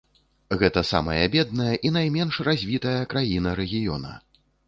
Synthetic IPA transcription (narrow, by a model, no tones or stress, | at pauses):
ɣɛt̪ɐsa̰mɐ̰jɐ̰bʲɛd̪̚nɐjɐʔinajmʲɛnʂrazʲvʲit̪ɐjɐkɾajinɐɾɛɣʲijɔ̰nɐ̰